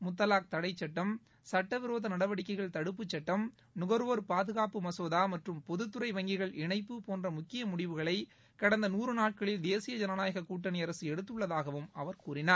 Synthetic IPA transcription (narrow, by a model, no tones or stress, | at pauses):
mʊt̪ːɐlaːk̚t̪ɐɽɐɪt͡ʃːɐʈːɐm | sɐʈːɐʋɪɾoːðɐnɐɽɐʋɐɽɪkːɐɪɣɐɭt̪ɐɽɯp̬ːɯt͡ʃːɐʈːɐm | nʊɣɐɾoːɾpaːðɯɣaːpɯmɐsoːðaːmɐʈrɯmpɔðɯt̪ːɯɾɐɪʋɐŋɡɪɣɐɭʔɪɳɐɪpːɯpoːndrɐmʊkːɪjɐmʊɽɪʋɯɣɐɭɐɪ | kɐɽɐnd̪ɐnuːrɯnaːʈ̚kɐɭɪld̪eːsɪjɐd͡ʒɐnɐnaːjɐɣɐkuːʈ̬ːɐnɪɐɾɐsɯɛɽɯt̪̬ːɯɭːɐðaːɣɐʋɯmɐʋɐɾkuːɾɪnaːɾ